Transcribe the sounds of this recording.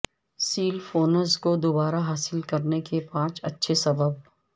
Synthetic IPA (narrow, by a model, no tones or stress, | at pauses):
siːlfoːnəɾzkod̪oːbaːɾaɦaːsɪlkɐɾnekepãːt͡ʃɐ̰tːʃʰesɐbəb̚